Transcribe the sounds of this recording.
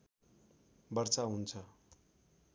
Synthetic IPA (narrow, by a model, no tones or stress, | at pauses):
bʌrt͡saɦunt͡sʰʌ